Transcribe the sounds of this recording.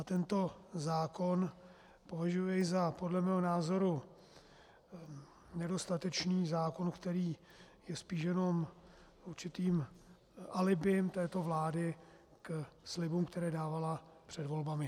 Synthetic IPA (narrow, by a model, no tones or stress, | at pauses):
at̪ɛnt̪o̞zaːkon | po̞vaʒujɛɪzapo̞dlɛmɛːɦonaːzo̞ɾu | nɛdo̞st̪at̪ɛt͡ʃniːzaːko̞nkt̪ɛɾiː | jɛspiːʃjɛno̞m | uɾt͡ʃɪt̪iːm | ʔalɪbɪmt̪ɛːt̪o̞vlaːdɪ | kslɪbumkt̪ɛɾɛːdaːvalapr̝̥ɛdvo̞lbamɪ